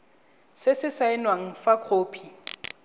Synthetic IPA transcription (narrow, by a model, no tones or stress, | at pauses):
sɪsɪsaɪnwaŋ̩fakʰoːpʰi